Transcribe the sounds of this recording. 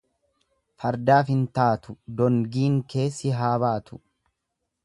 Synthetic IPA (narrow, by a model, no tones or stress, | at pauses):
fɐɾd̪aːfɪnt̪aːt̪ʊd̪ɔŋɡiːŋke̞ːsːɪɦaːβaːt̪ʰʊ̥